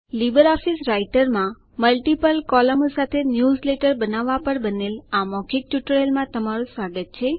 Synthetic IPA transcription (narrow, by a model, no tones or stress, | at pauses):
libəɾɔfisɾaiʈəɾmã | məlʈipəlkɔləmsat̪ʰenjuzleʈəɾbənaʋːapəɽbənelamɔkʰik̚ʈjuʈəɾelmãt̪əmaɾũsʋaɡʱət̪̚t͡ʃʰe